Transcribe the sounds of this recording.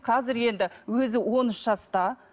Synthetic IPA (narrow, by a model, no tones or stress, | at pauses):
qʰɑzɪɾje̞nd̪ɪwɵzɪwo̞nʏʃʒɑst̪ɑ